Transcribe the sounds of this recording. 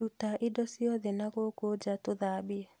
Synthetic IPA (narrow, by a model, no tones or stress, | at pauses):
utaʔɪdɔsjɔðɛnaɣokod͡ʒatoðabiɛ